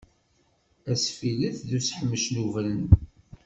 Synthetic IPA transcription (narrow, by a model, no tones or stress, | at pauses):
æsfiləθðusħəmːəʃnuvɾən